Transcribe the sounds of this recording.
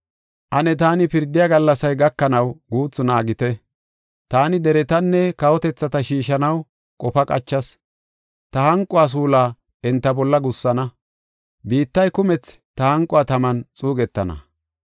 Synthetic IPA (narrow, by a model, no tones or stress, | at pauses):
ʔɐnɛt̪aːnɪpɪɾd̪ɪjaɡɐlːɐsɐjɡɐkːɐnɐwɡuːt͡sːʊnaːɡɪt̪ɛ | t̪aːnɪd̪ɛɾɛt̪ɐnːɛkɐwɔt̪ɛt͡sːɐt̪ɐʃiːʃɐnɐw | kʼɔfɐkʼɐ̰t͡ʃːɐs | t̪ɐhɐŋkʼʊaːs̬uːlaː | ɛnt̪ːɐbɔlːɐɡʊsːɐnɐ | biːt̪ːɐjkʊmɛt͡s | t̪ɐhɐŋkʼːʊaːt̪ɐmɐnt͡sʼuːɡɛt̪ːɐnɐ̰